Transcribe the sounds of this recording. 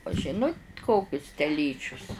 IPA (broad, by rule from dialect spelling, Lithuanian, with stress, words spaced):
ʊ ˈʒʲɪnʊt ˈkoːkʲʊs tʲɛˈlʲiːt͡ʃʲʊs